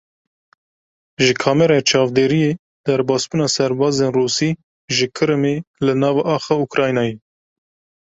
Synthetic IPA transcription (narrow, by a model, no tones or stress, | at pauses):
ʒɨkʰɑːmɛɾɑt͡ʃʰɑːvd̪eːɾije | d̪ɛɾbɑːsbunɑːsɛɾbɑːzeːnruːsiː | ʒɨkʰɨɾɨmeːlɨnɑːvɑʔɑːxɑːukɾɑːjnɑːje